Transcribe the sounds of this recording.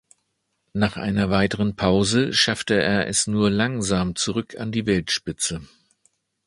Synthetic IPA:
naːχʔa̰ɪnɐvaɪtəʁənpʰaʊzəʃaftəḛːɐʔɛsnuːɐlaŋzaːmt͡suʁʏkʰa̰ndiːvɛltʃpɪt͡sə

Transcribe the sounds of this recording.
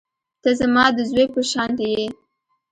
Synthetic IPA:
t̪azamɑd̪əzwepəʃɑnt̪eje

